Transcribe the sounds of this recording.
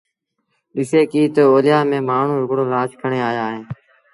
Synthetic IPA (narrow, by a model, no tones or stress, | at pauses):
ɗɪseːkiːt̪oːoːlɪjaːmẽːmaːɳ̤ũːɾʊkɽoːlaːt͡ʃkʰəɳeːaːjaːɦẽː